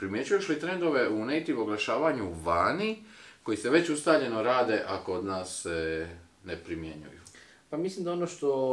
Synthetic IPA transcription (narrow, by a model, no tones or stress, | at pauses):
pɾimje̞t͡ɕujeʃlit̪ɾe̞nd̪o̞ʋe̞unejt̪iʋo̞ɡlaʃaːʋaɲuʋaːniko̞jise̞ʋe̞t͡ɕust̪aːʎe̞no̞ɾaːd̪e̞ʔakood̪naːsːe | nepɾimje̞̰ɲṵjṵ | pamislimd̪aonoʃt̪o